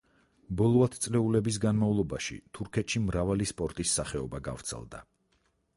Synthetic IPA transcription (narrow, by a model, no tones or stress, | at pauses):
bɔlˠɔat̪ʰt̪sʼlɛulɛbis̬ɡanmavlˠɔbaʃḭt̪ʰuɾkʰɛt̪ʃimɾavalispʼɔɾt̪ʼisːaχɛɔbaɡa̰vɾt̪sʰɛ̰lˠd̪a̰